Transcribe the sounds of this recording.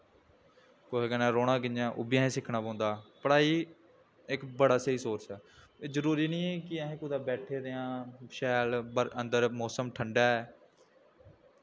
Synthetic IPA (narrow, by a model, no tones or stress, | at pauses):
koːekənãːɾoːɽ̃ãːkɪnãːʔʊ̰bɪjãːẽːsɪkʰnaːpãːnd̪aːpəɽaːiː | ɪkbəɽaːsəiːsoːɾt͡ʃɛː | zəɾuːɾiːnĩːɛːkɪəɦẽːkʊd̪aːbɛːʈʰeːɾeãːʃɛːlbəɾənd̪əɾmɔːsəmʈʰəɳɖaːɛː